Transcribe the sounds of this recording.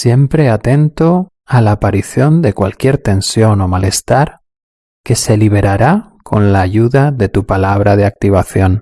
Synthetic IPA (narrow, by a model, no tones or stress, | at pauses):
sje̞mpɾe̞at̪e̞nt̪o̞ | alaːpaɾiθjo̞nd̪e̞kwalkje̞ɾt̪e̞nsjo̞no̞male̞st̪aɾ | ke̞se̞liβ̞e̞ɾaɾa | kʰo̞nlaːʝuðaðe̞t̪upalaβ̞ɾaðeak̚t̪iβ̞aθjo̞n